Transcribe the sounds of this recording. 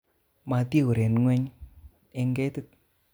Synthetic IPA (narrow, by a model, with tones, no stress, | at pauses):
ma˨˧ti˦u˨ɾe˨nŋwe˦ɲ | e˧ŋɡe˦tɪ˦t̚